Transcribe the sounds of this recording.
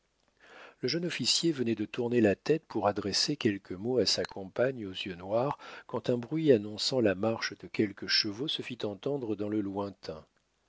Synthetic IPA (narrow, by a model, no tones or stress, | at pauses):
ləʒœnɔfisjevənɛd̪ət̪uʁnelat̪ɛt̪puʁad̪ʁesekʲɛlkʰəmoasakʰɔ̃paɲozjønwaʁkɑ̃t̪ɛ̃bʁɥianɔ̃sɑ̃lamaʁʃd̪əkʲɛlkəʃəvosəfit̪ɑ̃t̪ɑ̃d̪ʁəd̪ɑ̃ləlwɛ̃t̪ʰɛ̃